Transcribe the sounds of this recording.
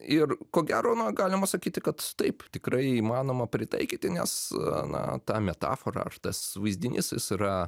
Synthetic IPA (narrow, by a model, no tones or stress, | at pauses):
ɪrkoːɡʲæːɾoːnɐɡɑːlʲɪmɐsɐkʲiːt̪ʲɪkɐt̪t̪ɐɪpt̪ʲɪkɾɐɪiːmɑːnoːmɐpʲɾʲɪt̪ɐ̰ɪkʲiːt̪ʲɪnʲɛ̰snɐ̰t̪ɑːmʲɛt̪ɑ̰ːfoɾɐ̰ɐ̰rt̪ɐsʋɐɪzʲd̪ʲɪnʲɪsɪ̰siɾɐ